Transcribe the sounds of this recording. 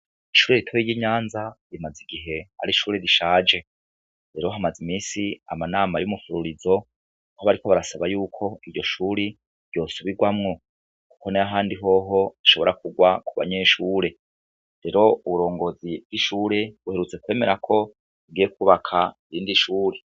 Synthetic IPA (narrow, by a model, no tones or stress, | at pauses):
iʃuːɾeɾitʰojijiɲaːnzaɾimaziɡiɦe̞a̰ɾiʃuːɾeɾiʃaːd͡ʒe̞ | ɾe̞ɾo̞ɦamazimiːsia̰manaːmajumufuɾuɾizo̞ | hoβaɾiko̞βaɾasaβajuːkʰo̞iɾɟo̞ʃuɾi | ɾɟo̞ːsuβiɡwamŋo̞ | ku̥ko̞neaɦaːndiɦo̞ɦo̞aʃo̞βo̞ɾakuɡwakuβa̰ɲe̞ːʃuːɾe̞ | ɾe̞ɾo̞uβuɾo̞ːŋɡo̞zib̥ɡ̥iʃuːɾe̞βuhe̞ɾut͡se̞kwe̞ːme̞ɾakʰo̞ | iɡijekuβakʰaiɾiːndiʃuːɾe